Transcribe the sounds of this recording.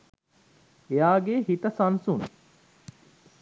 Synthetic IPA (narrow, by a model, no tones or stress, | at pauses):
ejaːɡeɦit̪əsɐnsun